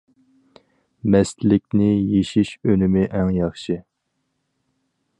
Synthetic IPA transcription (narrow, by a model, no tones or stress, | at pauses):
mɛst̪lɪk̚ʲnɪjeʃiʃønɪmɪʔɛŋjɑχʃɨ